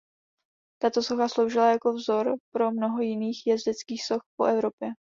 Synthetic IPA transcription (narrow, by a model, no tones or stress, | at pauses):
t̪at̪o̞so̞xaslo̞wʒɪlajako̞vzo̞ɾpɾo̞mno̞ɦo̞jɪniːxjɛzdɛt͡skiːxso̞xpo̞̰ʔɛvɾo̞pjɛ